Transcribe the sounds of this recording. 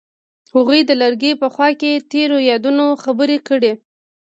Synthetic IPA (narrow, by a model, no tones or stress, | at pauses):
haɣujd̪əlaɾɡepəxwɑket̪eɾojɑd̪unoxabəɾekəɽe